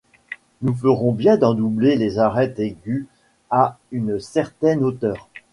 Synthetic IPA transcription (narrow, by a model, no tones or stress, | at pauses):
nufəʁɔ̃bjɛ̃d̪ɑ̃d̪ublelezaʁɛt̪eɡʲy | aynsɛʁt̪ɛnot̪œːʁ